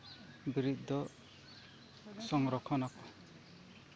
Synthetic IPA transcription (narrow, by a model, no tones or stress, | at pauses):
biɾit̪̚ˀd̪ɔ | sɔŋɾɔkʰɔnakɔ